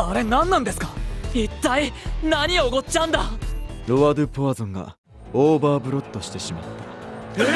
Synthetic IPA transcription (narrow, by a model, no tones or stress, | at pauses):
aɾe̞nãnːãnd̪e̞sɨ̥kait̪ːainaɲ̟ioɡo̞t͡ɕãnd̪aɾo̞βad̪ɯpoβazõ̞ŋɡa̰ | oːbaːbɯ̟ɾo̞t̪ːo̞ɕi̥t̪e̞ɕima̰t̪ːḁ